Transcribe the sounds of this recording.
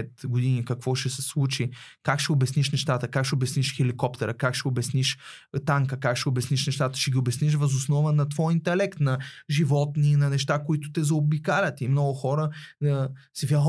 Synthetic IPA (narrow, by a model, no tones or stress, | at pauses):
ɛt̪ɡʊd̪inikɐkv̥ɔʃɛsɛslˠut͡ʃikakʃɛʊbɛsniʃnɛʃt̪at̪əkakʃɛʊbɛsniʃxɛlikɔpt̪ɛɾəkakʃɛʊbɛsniʃ | t̪aŋkəkakʃɛʊbɛsniʃnɛʃt̪at̪ə̥ʃɛɡʲiʊbɛsniʃ̬vɐzʊsnɔvənɐt̪vɔjint̪ɛlɛkt̪nɐʒivɔt̪ninɐnɛʃt̪akoit̪ʊt̪ɛzɐobikalʲət̪imnɔɡʊxɔɾəəsɛvʲa